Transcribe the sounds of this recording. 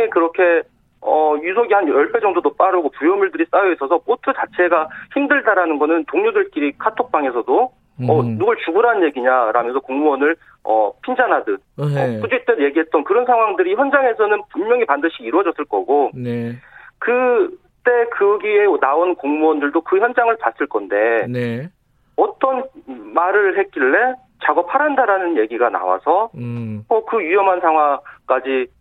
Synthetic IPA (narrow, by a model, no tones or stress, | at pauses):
ekɯɾʌkʰe̞ | ʌjusʰoɡihanjʌɭp͈ʰe̞d͡ʑʌŋdodop͈aɾɯɡopujʌmuɭdɯɾis͈ajoisʰʌsʰʌk͈otʰɯt͡ɕat͡ɕʰe̞ɡaçimdɯɭdaɾanɯnɡʌnɯntoŋɲudɯɭk͈iɾikʰatʰok̚p͈aŋes̬ʰʌdo | ʌnuɡɯɭt͡ɕuɡuɾanɯnje̞ɡiɲaɾamjʌnsʰʌkoŋmuʌnɯɭ | ʌ̰pʰind͡ʑanɦadɯnʌp͈ud͡ʑit͈wenje̞ɡiɦe̞t̚t͈ʌnkɯɾʌnsʰaŋwaŋdɯɾiçjʌnd͡ʑaŋɦe̞sʰʌnɯnpunmjʌŋipandɯɕʰiːɾwʌd͡ʑʌs͈ɯɭk͈ʌ̰ɡonekɯ | t͈e̞kɯɡienaonkoŋmuʌndɯɭdokɯçjʌnd͡ʑaŋɯɭpas͈ɯɭk͈ʌnde̞ne | ʌt͈ʌnmaɾɯɭhe̞k͈iɭːe̞ | t͡ɕaɡʌpʰaɾɦandaɾanɯnje̞ɡiɡana̰wa̰sʰʌtokɯɥijʌmɦansʰaŋwaŋk͈ad͡ʑi